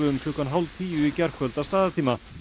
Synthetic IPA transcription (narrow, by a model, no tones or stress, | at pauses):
ʏʏmkʰʏːkanɦawlt̪ʰiːʏicɛr̥kʰvœlt̪ast̪aːðat̪ʰiːma